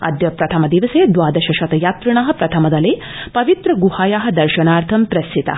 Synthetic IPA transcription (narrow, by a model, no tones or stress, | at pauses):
ɐ̰d̪jɐpɾɐt̪ʰɐmɐd̪iʋɐseːd̪ʋaːd̪ɐʃɐʃɐt̪ɐjaːt̪ɾɐɳ̃aːɦɐ̆pɾɐt̪ʰɐmɐd̪ɐleː | pɐʋit̪ɾɐɡuhaːjaːɦɐ̆d̪ɐɾʃɐnaːɾt̪ʰɐmpɾɐsit̪ɐ̰